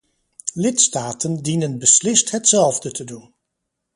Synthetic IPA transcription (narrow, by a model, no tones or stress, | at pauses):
lɪtstaːtəndinənbəslɪstɦətsɛlˠvdətʰədun